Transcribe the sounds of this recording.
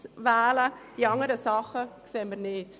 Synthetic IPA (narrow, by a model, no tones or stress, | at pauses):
sʋɛːləd̥iːɑŋəɾəsɑχəkseːənmiːɾnɪːt